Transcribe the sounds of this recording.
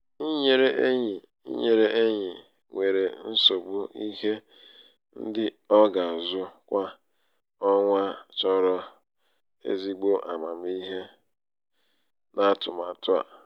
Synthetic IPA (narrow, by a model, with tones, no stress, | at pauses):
i˦ɲe˨ɾe˦ʔe˦ɲi˨ | ḭ˦ɲe˨ɾe˦ʔe˦ɲɪ˨ | ŋʷe˨ɾe˨n̩˦so˨ɡ͡bu˦i˦ɦe˦ | n̩˦dɪ˦ | ɔ˦ɡa˨zʊ˦kʷa˦ | ɔ˦ŋʷa˦t͡ʃɔ˦ɾɔ˦ | ḛ˦zi˦ɡ͡bo˦ʔa̰˨ma˨m˦i˦ɦe˦ | na˦tʊ̰˨ma˨tʊ˦a̰˨